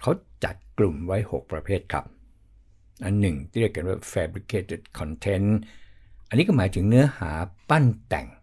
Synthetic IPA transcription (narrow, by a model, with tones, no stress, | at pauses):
kʰa˦˥wt͡ɕa̰˨˩t̪̚klu˨˩mwa˦˥jho̰˨˩k̚pɾa˧pʰeː˥˩t̪̚kʰɾa̰˦˥p̚ | ʔa˧nːɯ˨˩ŋt̪ʰiː˥˨ɾi˥˩əjka˧nwaː˥˧˩fɛː˧bɾi˦˥kʰeː˧˩t̪e˦˥˩t̪̚kʰɔ˧nt̪ʰe˦˥n | ʔa˧nːiː˦˥kɔ˥˩maː˩˦jt̪ʰɯ˩˦ŋnɯ˦˥ɐhaː˩˦pa˥˩nt̪ɛ̰˨˩ŋ